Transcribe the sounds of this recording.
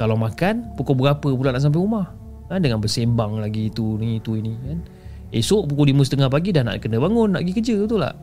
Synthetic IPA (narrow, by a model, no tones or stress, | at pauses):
kalawmakanpukobəɡapəp̬ulanaʔs̬amp̬ajumah | kandəŋanbəsembaŋlaɡiːt̪uniit̪uinikan | esoʔp̬ukodimusə̥t̪əŋahpaɡidahna̰ʔkənəbaŋʊnːaʔɡikəd͡ʒət̪ula̰h